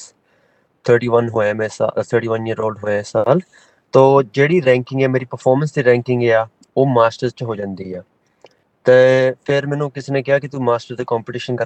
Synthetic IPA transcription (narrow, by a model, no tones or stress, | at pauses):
t̪ʰəːʈiːʋənɦoːeːmẽːsa̰t̪ʰəːɾʈiːʋəniːəɾoːlɖɦoːasaːl | t̪oːd͡ʒeːɽiːɾɛ̃ːŋkɪ̃ŋɡɛːmeːɾiːpəɾpʰɔːɾmənsd̪iːɾɛ̃ːŋkɪŋɡeːaː | oːmaːsʈəɾt͡ʃɦoːd͡ʒãːnd̪iːaː | t̪eːpʰɪɾmɛ̃ːnõːkɪseːnẽːkɪaːkɪt̪uːmaːsʈəɾd̪eːkaːmpɪʈɪːʃənkə